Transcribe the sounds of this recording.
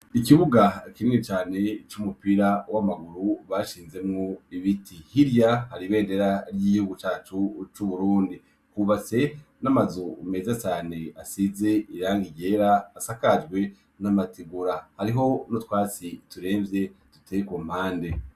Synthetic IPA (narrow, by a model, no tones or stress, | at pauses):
ikiβuɡakimŋet͡ʃaːne̞t͡ʃumupiɾawamaɡuɾuβaʃiːnze̞mŋoiβitʰihiɾjahaɾiβe̞ːnde̞ɾaɾjiɟihuɡut͡ʃaːt͡ʃut͡ʃuβuɾuːndi | kuβat͡se̞namazome̞ːzat͡ʃaːne̞asize̞ʔiɾaːŋɡiɟe̞ɾaːsakad͡ʒɡwe̞ | namatiɡuɾahaɾiɦo̞notwaːt͡situɾe̞ːmvje̞tutʰekom̥haːnde̞